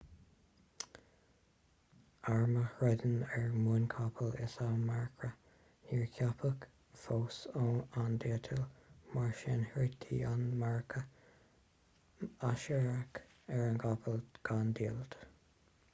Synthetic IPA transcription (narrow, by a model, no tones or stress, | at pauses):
aɹməhɹɛd̪ənɛɹmunkʰapʰəlɪ̰samɛɹkʰɹə | niːɹkʰjapʰək | foːsoand̪etʰəlmaɹʃɛnht̪ʰḭːanmɛɹkʰə | aʃɛɹak | ɛɹənkʰapʰəlɡ̥and̪iːld̪̥